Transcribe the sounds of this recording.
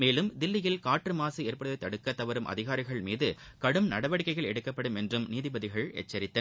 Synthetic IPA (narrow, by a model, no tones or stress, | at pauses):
meːlɯmd̪ɪlːɪjɪlkaːʈrɯmaːsɯeːɾpɐɽɯðɐɪt̪ːɐɽɯkːɐt̪ːɐʋɐɾɯmʔɐ̰ðɪɣaːɾɪɣɐɭmiːðɯ | kɐɽɯmnɐɽɐʋɐɽɪkːɐɪɣɐɭɛɽɯkːɐpːɐɽɯmɛndrɯmniːðɪbɐðɪɣɐɭɛ̰t͡ʃːɐɾɪt̪ːɐ